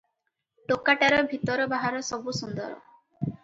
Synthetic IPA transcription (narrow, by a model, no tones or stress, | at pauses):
ʈokaʈaɾɔbʱit̪ɔɾɔbaɦaɾɔsɔbusund̪ɔɾɔ̰